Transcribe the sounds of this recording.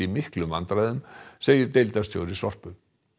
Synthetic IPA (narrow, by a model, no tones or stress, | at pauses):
imɪhklʏmvant̪ɾaːðʏmseːjɪɾt̪ejlt̪ast̪ʰjo̰wɾɪsɔr̥pʏ